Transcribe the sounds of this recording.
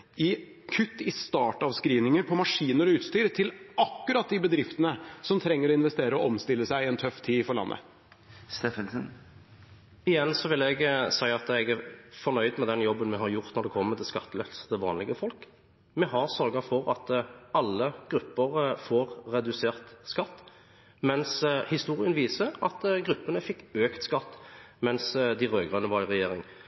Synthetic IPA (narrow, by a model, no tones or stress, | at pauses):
ɪ | kʰʉt̪ːɪst̪ɑːʈɑʋskɾiːʋnɪŋəɾpʰɔmɑʂiːnəɾɔʉːt̪st̪yːɾt̪ʰɪlʔɑkːʉɾɑt̪̚d̪ɪbəd̪ɾɪft̪ənəsɔmt̪ʰɾɛŋːəɾɔɪnʋɛst̪eːɾəɔʔɔmst̪ɪlːəsæɪɪɛnt̪ʰœft̪ʰiːfɔɾɭɑ̰nːʔə̰ | st̪ɛnsn | ɪjɛnːsɔʋɪlːɛɡsæɪɑt̪ɛɡæɾfɔnœʏd̪mɛd̪ɛnjɔbːənmɛɦɑɾjʊʁt̪nɔɾd̪ɛkʰɔmːət̪ʰɪlskɑt̪ːlɛlsət̪ɪʋɑːnlɪɡəfɔlk | mɛɦɑʁsœɾɡɑfɔɾɑt̪ɑlːəɡ̥ɾʉpːəʁfoːʁːɛd̪ʉseːʁt̪skɑt̪ː | mɛnshɪst̪uːʁɪənʋiːsəɑt̪ɡɾʁʉpːənəfɪkːøːkt̪skɑt̪ːmɛnsd̪ɪʁøːɡʁœnːəʋɑɾɪʁɛjeːɾɪŋ